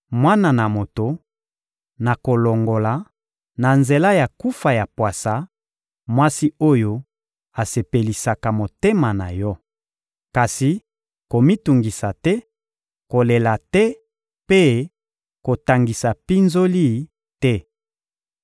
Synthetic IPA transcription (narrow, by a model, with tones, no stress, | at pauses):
mwa˦na˨na˨mo˨to˨ | na˨ko˨lo˨ŋɡo˨la˨ | na˨nze˨la˦ja˨ku˦fa˨ja˨pwa˨sa˨ | mwa˦si˦o˦jo˦ | a˨se˨pe˨li˨sa˨ka˨mo˨te˦ma˨na˨jɔ˦ | ka˨si˨ | ko˨mi˦tu˨ŋɡi˨sa˨tɛ˦ | ko˨le˨la˨tɛ˦ | pe˦ | ko˨ta˨ŋɡi˨sa˨pi˦nzo˦li˦˨ | tɛ˦